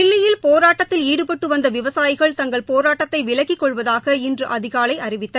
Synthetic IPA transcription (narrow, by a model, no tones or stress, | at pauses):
ɪɭːɪjɪlpoːɾaːʈːɐt̪ːɪliːɽɯpɐʈːɯʋɐnd̪ɐʋɪʋɐsaːjɪɣɐɭt̪ɐŋɡɐɭpoːɾaːʈːɐt̪ːɐɪʋɪɭɐkɪkːɔɭʋɐðaːɣɐɪndrɯʔɐðɪɣaːɭɐɪʔɐɾɪʋɪt̪ːɐ